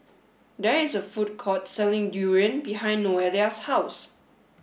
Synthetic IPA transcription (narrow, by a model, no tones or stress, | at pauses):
dɛɪsəfut̚kʰɔtsɛlɪ̃ŋdjuɹə̃nbiɦãɪ̃nːoɛliashaws